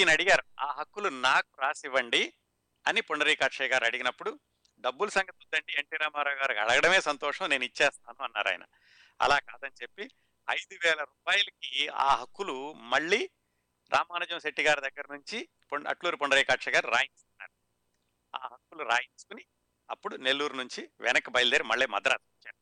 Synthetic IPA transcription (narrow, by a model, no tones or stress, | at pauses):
iːnɐɽiɡaːɾuaːɦɐkːulunaːkuɾaːsiʋɐɳɖi | ɐnipoɳɖɐɾiːkaːʈʂɐjɡaːɾɐɽiɡinɐpːuɽu | ɖɐbːulɐsɐŋɡɐt̪ud̪ːɐɳʈieɳʈiːɾaːmaːɾaːɡaːɾukɐ̰ɽɐɡɐɽɐme̞ːsɐnt̪ɔːʂɐ̃mne̞ːnuit͡ʃːɛːst̪aːnuɐnːa̰ːɾa̰ːj̰nɐ̰ | ɐ̰laːkaːd̪ɐnit͡ʃe̞pːi | ɐ̰jd̪uʋɛːlɐɾuːpaːjɐlɐkia̰ːɦɐkːulumɐɭːiː | ɾʔa̰ːmaːnɐd͡ʒɐmseʈːiɡaːɾud̪ɐɡːɐɾɐnuɲt͡ʃi | poɐ̰ʈluːɾipoɳɖɐɾiːkaːʈʂɐɡaːɾuɾa̰ːjiɲsk̪unːa̰ːɾu | a̰ːɦɐkːuluɾa̰ːjint͡ʃu̥kuni | ɐpːuɽune̞lːuːɾunuɲt͡ʃiʋɛnɐkːɐbɐjld̪eːɾimɐɭːiːmɐ̰d̪ɐɾa̰ːsɐɐt͡ʃːaːɾu